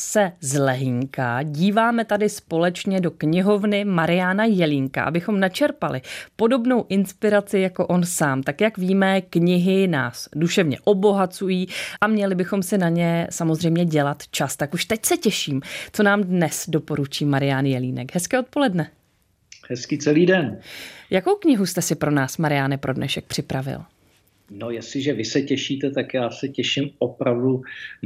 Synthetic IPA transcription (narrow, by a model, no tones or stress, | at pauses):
sɛzlɛɦɪŋka̰ɟiːvaːmɛt̪adɪspo̞lɛt͡ʃɲɛdo̞kɲɪɦo̞vnɪmaɾɪjaːnajɛliːŋka̰ʔa̰bɪxo̞mnat͡ʃɛɾpalɪpo̞do̞bno̞wʔɪnspɪɾat͡sɪjako̞ʔo̞nsaːmt̪akjakviːmɛkɲɪɦɪna̰ːsduʃɛvɲɛ̰ʔo̞bo̞ɦat͡sujiːʔamɲɛlɪbɪxo̞msɪnaɲɛsamo̞zr̝ɛjmɲɛɟɛlat̪t͡ʃast̪akuʃt̪ɛcsɛcɛʃiːmt͡so̞naːmdnɛsdo̞po̞ɾut͡ʃiːmaɾɪjaːnjɛliːnɛkɦɛskɛːo̞t̪̚po̞lɛdnɛ | hɛskit͡sɛliːdɛnjako̞wkɲɪɦust̪ɛsɪpɾo̞naːsmaɾɪjaːnɪpɾʔo̞dnɛ̰ʃɛk̚pr̝̥ɪpɾavɪ̰l | nojɛsɪʒɛvɪsɛcɛʃiːt̪ɛt̪akjaːsɛcɛʃɪmʔopɾavdu